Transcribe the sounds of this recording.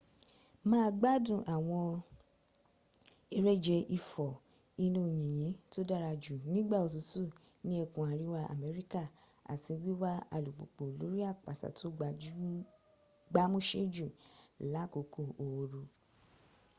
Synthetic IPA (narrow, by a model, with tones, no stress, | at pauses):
mãː˦˧ɡ͡ba˦dũ˦˨ʔa˨w̃ɔ̃˧ | e˧ɾɛ˦d͡ʒɛ˧ʔi˧fɔ˨ | i˧nũ˧˨jĩ˨j̃ĩ˨˦to˦da˦ɾa˧d͡ʒu˨nĩ˦ɡ͡ba˦˨o˨tu˨˦tu˦˨ | nĩ˦e˦˧kũ˧˨a˨ɾi˦wa˧˦a̰˨mɛ˨˦ɾi˦ka˦˨ | a̰˨tĩ˧wi˦wa˦a˧lu˨k͡po˨k͡po˨lo˨˦ɾi˦a˦˨k͡pa̰˨ta̰˨to˨˦ɡ͡ba˧u˦ | ɡ͡ba˦mũ˦ʃe˦d͡ʒu˦˨la˨˦ko˨kʰo˦˨o˨wo˨˧ɾu˧